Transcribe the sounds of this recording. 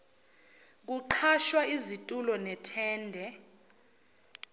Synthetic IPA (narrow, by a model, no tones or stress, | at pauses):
k̬uǃʰaʃwaizitʼulɔnɛtʰɛːndʱɛ